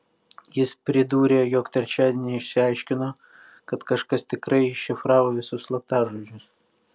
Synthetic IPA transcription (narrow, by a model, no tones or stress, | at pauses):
jɪspʲɾʲɪd̪uːɾʲeːjoːkt̪ʲɛɾʲt͡ʃʲæːd̪ʲenʲɪɪʃʲsʲɪɑɪʃʲkʲɪnoː | kɐt̪kɐʃkɐst̪ʲɪkɾɐɪɪʃʲɪfɾɑːʋoːʋʲɪsʊslˠɐpt̪ɑːʒoːd͡ʒʲʊs